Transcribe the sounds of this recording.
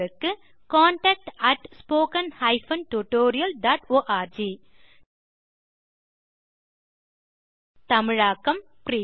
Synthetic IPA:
ɯkːɯ | kaːɳʈɐːk̚ʈɐʈspoːkɐnhɐɪfɐnʈuʈoːɾɪjɐlɖaːʈoːʔaːɾd͡ʒiː | t̪ɐmɪɻaːkɐm | pɾiː

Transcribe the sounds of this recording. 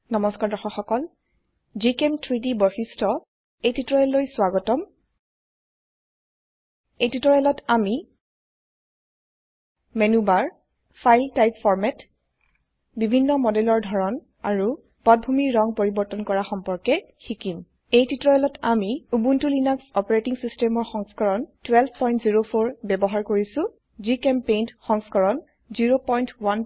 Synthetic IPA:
nɔmɔskaɹdɔxɔxɔkɔl | d͡ʒikemtʰɹidibɔxistʰɔ | ejtitɹɔɹɛlːojswaɡɔtɔm | ejtitɔɹɛlɔtami | menubaɹ | pʰajltajpfɔɹmɛt | bibʱinːɔmɔdɛlɔɹdʱɔɹɔn | aɹu | pɔt̚bʱumiɹːɔŋpoɹibɔɹtɔnkɔɹaxɔmpɔɹkɛ | xikim | ejtitɹɔjɛlɔtamiubuntulinaksɔpɔɹetiŋsistɛmɔɹxɔŋskɔɹɔntwɛlpʰpɔjntziɹopʰoɹbɛbɔɦaɹkoɹisʊ̃ | zikɛmpejnxɔŋskɔɹɔn | ziɹopɔjntwan

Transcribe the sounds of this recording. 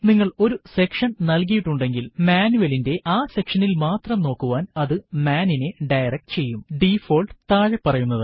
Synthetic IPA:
niŋːɐɭo̞ɾuse̞kʂɐnnɐlkijiʈːuɳɖe̞ŋɡilmaːnuʋɐlinde̞ʔaːse̞kʂɐnilmaːt̪rɐmno̞ːkːuʋaːnɐðɨmaːnine̞ɖɐjrɐk̚ʈɨt͡ɕe̞jːumɖifo̞ːlɖt̪aːɻɐpːɐrɐjunːɐðɨ

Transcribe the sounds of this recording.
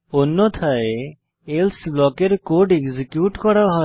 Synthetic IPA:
onːɔt̪ʰae | elsblɔkeɾkoɾɖekzikjuʈkɔɽaɦɔ

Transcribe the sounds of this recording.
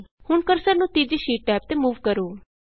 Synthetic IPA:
hʊɳkəɾsəɾnũːt̪iːd͡ʒiːʃiːʈ̚ʈɛːp̚t̪eːmuːʋkəɾoː

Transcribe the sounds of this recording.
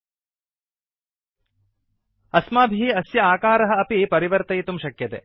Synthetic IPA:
ɐsmaːbʱiiɐsjɐaːkaːɾɐɦɐːpipɐɾiʋɐɾt̪ɐjt̪umʃɐkjɐt̪ḛː

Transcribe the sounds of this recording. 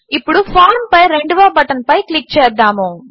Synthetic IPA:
ipːuɽupʰaːɾmpɐjɾeɳɖuʋaːbɐʈɐnpɐjklik̚ːt͡ʃɛːd̪ːaːmu

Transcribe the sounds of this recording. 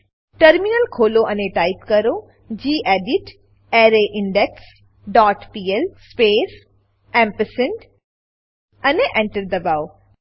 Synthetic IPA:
ʈɐɾminəlkʰoːloʔɐneʈaːɪpkɐɾo | d͡ʑiːʔeːɖɪʈ | eːɾeʔɪ̃ɳɖeks | ɖɔːʈpiːelspeːs | ɛ̃mpəsɪɳɖ | ɐneʔẽɳʈəɾd̪ɐbaːo

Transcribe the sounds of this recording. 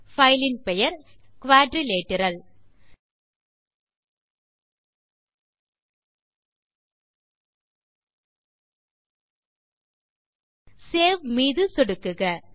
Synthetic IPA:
fɐɪlɪnpɛjɐɾkʊʋaːɖɾileːʈːɪɾɐl | seːʋmiːðɯsɔɽɯkːɯɣɐ

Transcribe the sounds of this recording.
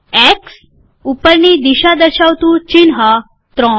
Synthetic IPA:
ɛks | upəɾnid̪iɕad̪əɾɕaʋt̪ũt͡ɕinɦa | t̪ɾɔ̃

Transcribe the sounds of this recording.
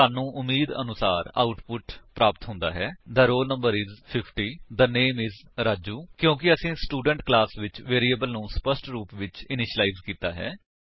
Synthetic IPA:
aːnũːʔʊmːiːd̪ə̰nʊsaːɾa̰ːʊʈpʊʈpɾaːpt̪ɦʊ̃nd̪a̰ːɦɛːd̪əɾoːlnəmbəɾɪzpʰɪpʰʈiːd̪əneːmɪzɾaːd͡ʒuːkjõːkɪəsĩːsʈuːɖəɳʈklaːsʋɪt͡ʃʋeːɾiːəbəlnũːspəsʈɾuːpʋɪt͡ʃɪnɪʃəlaːizkiːt̪a̰ːɦɛ̰ː

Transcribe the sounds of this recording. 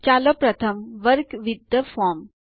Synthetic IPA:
t͡ʃalopɾɐt̪ʰəmʋəɾkʋid̪jəfɔɾm

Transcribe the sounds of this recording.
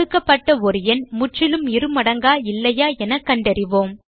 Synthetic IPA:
ɯkːɐpːɐʈːɐɔɾɯjɐnmʊʈrɪlɯmɪɾɯmɐɽɐŋɡaːɪlːɐjaːɛnɐkːɐɳɖɐɾɪʋoːm

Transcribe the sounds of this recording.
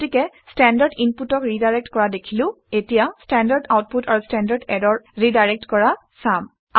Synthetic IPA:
tikɛstɛndaɹdinputɔkɹidajɹɛk̚tkɔɹadekʰilʊ̃ | etijastɛndaɹdawt̚putaɹustɛndaɹdɛdɔɹɹidajɹɛk̚tkɔɹa | sam | a

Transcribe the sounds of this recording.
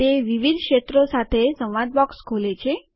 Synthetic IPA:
t̪eʋiʋid̪ʱkʃet̪ɾosat̪ʰesə̃wʋad̪̚bɔkskʰolet͡ʃʰe

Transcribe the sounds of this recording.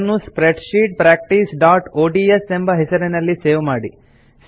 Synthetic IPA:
nːuspɾeʈʃiːʈ̚pɾaːk̚ʈisɖaːʈoːɖiːesembɐɦɛsɐɾenɐlːise̞ːʋmaːɽi | s

